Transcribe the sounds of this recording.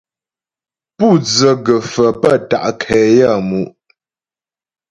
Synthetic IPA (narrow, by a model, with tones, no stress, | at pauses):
pu˦˨d͡zə˨ɡə˨fə˨pə˦˨ta̰˨ʔkʰɛː˨ja˦˨mu˨ʔ